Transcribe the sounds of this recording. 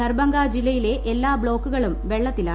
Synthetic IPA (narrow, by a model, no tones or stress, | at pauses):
ɐrbɐŋɡaːd͡ʑilːɐjile̞ʔelːaːbɭo̞ːkːuɣɐɭumʋe̞ɭːɐt̪ːilaː